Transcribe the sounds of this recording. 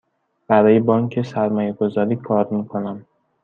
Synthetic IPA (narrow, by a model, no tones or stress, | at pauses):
b̥æɾɒːjebɒːŋcʰe̞sæɾmɒːjeɡo̞zɒːɾiːkʰɒːɾmiːkʰo̞næm